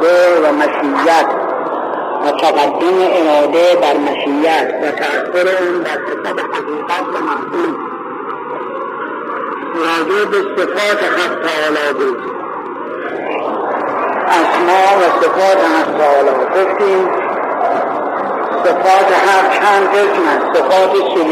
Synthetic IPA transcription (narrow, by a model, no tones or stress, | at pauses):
d̪evæmæʃijːæt̪ | mæt̪ʰaɡad̪ːemeʔeɾɒːd̪ed̪æɾmæʃijæt̪væt̪ʰæːxːoɾeuːnd̪æɾsefɑːd̪ehaɣiːɡat̪ʰvamahd̪uːm | ɾɒːd͡ʒebesefɒːt̪ʰehamt̪ʰːeːlɒːbuːd̪ | æzmɒːvæsefɒːt̪ʰehamt̪ʰɒːlɒːɡoft̪iːm | sefɒːt̪eɦæmt͡ʃʰænd̪hokmæsːefɒːt̪esol